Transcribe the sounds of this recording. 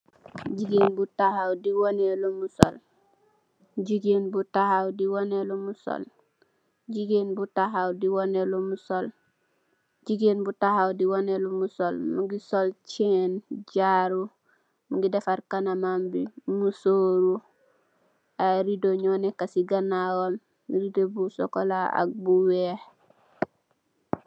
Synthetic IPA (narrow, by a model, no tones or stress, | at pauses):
ɟiɡenbutahawdiwonelomuso̰l | ɟiɡenbutahawdiwonelomuso̰l | ɟiɡeːnbutahawdiwonelomusol | ɟiɡeːnbutahawdiwonelomusolmuɡisolt͡ʃenɟaɾu | muɡidefaɾkanamambimusoːɾu | aɾidoɲoːnekasiɡanawom | ɾidobuso̰kolaa̰k̚buweh